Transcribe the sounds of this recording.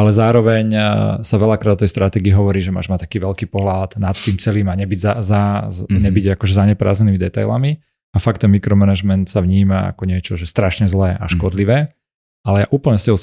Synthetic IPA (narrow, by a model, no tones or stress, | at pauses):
alɛzaːɾɔʋɛɲsaʋɛʎakɾad̪ɔt̪ɛjst̪ɾat̪ɛɡiːɦɔʋɔɾiːʒɛma̰ːʒmat̪ḁkiːʋɛʎkiːpɔɦlad̪nat̪ːiːmt͡sɛliːmaɲɛbiɟzazaɲɛbiɟakɔʒɛzaɲɛpɾa̰ːzɲɛniːmid̪ɛt̪a̰jla̰mi | afak̚t̪ːɛnmikɾɔmɛnaʒmɛnt̪saʋɲiːmaa̰kɔɲɪɛt͡ʃɔʒɛst̪ɾaʃɲɛzlɛːʔa̰ʃkɔd̪liʋɛː | alɛjaʔuːpl̩ɲɛscɛɦɔ